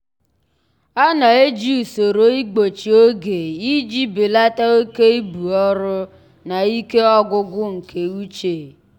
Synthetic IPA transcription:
a˦na˨e˦d͡ʒi˦u˨so˨ɾo˨i˦ɡ͡bo˨t͡ʃi˨o˦ɡe˨i˦d͡ʒi˦bi˨la˦ta˦o˦ke˦i˦bu˨ɔ˦ɾʊ˦ | na˨i˦ke˦ɔ˦ɡʊ˦ɡʊ˦ŋ̩˨kʰe˨u˦t͡ʃe˨

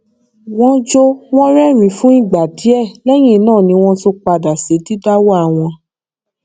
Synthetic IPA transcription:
w̃ɔ̃˦d͡ʒo˧w̃ɔ̃˦ɾɛ˦mĩ˨˦fũ˦i˦˨ɡ͡ba˨di˨˦ɛ˦˨lɛ˦j̃ĩ˦˨˦nãː˦˨nĩ˧w̃ɔ̃˧so˧k͡pa˧da˨se˨˦ti˦da˦wa˦˨w̃ɔ̃˧

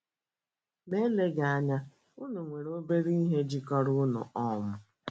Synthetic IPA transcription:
me˦le˦ɡa˨a˦ɲa˦ | ʊ˦no˨ŋʷe˨ɾo˦be˦ɾi˦i˦ɦe˦d͡ʒi˦kɔ˦ɾʊ˦nʊ̰˨ɔ˦˨mʊ˦

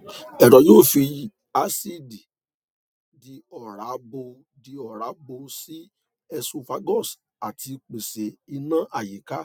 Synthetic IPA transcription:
ɛ˨ɾɔ˨˦joː˦˨fi˧ | a˧˦si˦di˨ | di˧ɔ˨ɾa˨˦bo˧ | di˧ɔ˦˨ɾa˨˦bo˧si˦ | ɛ˧su˧fa˧˦ɡɔ˦˨s | a˨tʰi˧k͡pe˨se˨i˧nã˦ʔa˨ji˨ka˨˦

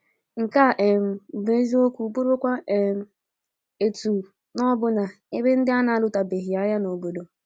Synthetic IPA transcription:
ŋ̩˨ka˦˨ʔe˨m̩˨be˦zi˦o˦kʷu˦˨bu˦ɾo˦kʷa˦ʔe˨m̩˦ | e˨tu˨ | nɔ˦bʊ˦na˨ | e˦be˦n̩˦dɪ˦a˦na˨˦lʊ˨ta˨be˨ɦi˨a˦ja˦no˨bo˨do˨

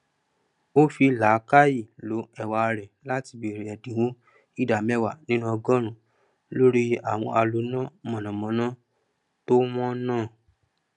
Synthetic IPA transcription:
o˦fi˧la˨˦ka˦ji˦˨lo˨˦ɛ˦˨wa˧ɾɛ˨la˦ti˧bi˧˨ɾi˨ɛ˨dĩ˨wũ˦ | i˦da˨mɛ˦˨wa˨nĩ˦nũ˦ɔ˧ɡɔ̃˦ɾ̃ũ˨ | lo˦ɾi˦a̰˨w̃ɔ̰̃˧a˧lo˧˦nã˦mɔ̃˨nɔ̃˨mɔ̃˨˧˦nã˦ | to˦w̃ɔ̃˦nãː˦˨

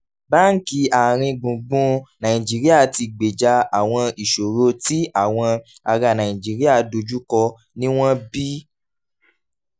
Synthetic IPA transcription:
ba˦ŋ̩˦ki˧a˨ɾ̃ĩ˧ɡ͡bũ˨ɡ͡bũ˧nã˨ĩ˨d͡ʒi˨˦ɾi˦a˦˨ti˧ɡ͡be˨d͡ʒa˧a˨w̃ɔ̃˧i˨ʃo˨ɾo˧ti˦a˦˨w̃ɔ̃˧a˧ɾa˨nã˨ĩ˨d͡ʒi˨˦ɾi˦a˦˨do˧d͡ʒu˦kɔ˧ | nĩ˦w̃ɔ̃˦bi˦

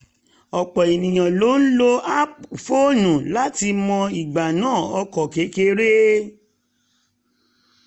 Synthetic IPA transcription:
ɔ˨k͡pɔ˨e˨nĩ˨j̃ã˨lo˨˦n̩˦lo˦a˦pu˨fo˦˨nũ˨la˦ti˧mɔ̃˧i˨ɡ͡ba˨nãː˦˨ɔ˧kɔ˨ke˨˦ke˧˦ɾe˦

